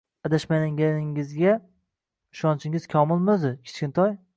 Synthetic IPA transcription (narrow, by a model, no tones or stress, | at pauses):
ad̪aʃmanɪŋɡʲanɪŋɪzɡʲa | ɪʃɒnt͡ʃʰɪŋɪz̥kʲʰɒmɪlˠmʊzd̪ɪkʲʰɪ̥t͡ʃkʲɪnt̪ʰɒj